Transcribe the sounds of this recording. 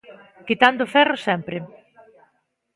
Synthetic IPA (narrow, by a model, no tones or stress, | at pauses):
kit̪and̪ʊfɛrʊsɛmpɾɪ